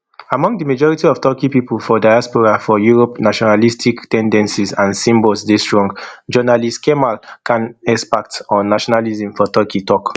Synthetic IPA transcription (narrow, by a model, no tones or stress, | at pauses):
amɔ̃ŋɡdimad͡ʒɔɹitiɔftɔkipiplfɔdajaspɔɹafɔjuɹɔpnaʃɔnalistʰiktɛ̃ndɛ̃nsizãnsĩmbɔlsdestɹɔ̃ŋɡd͡ʒɔnalistkʰɛmalkʰãnɛspak̚tɔ̃nːaʃɔnalizĩmfɔtɔkʰitɔk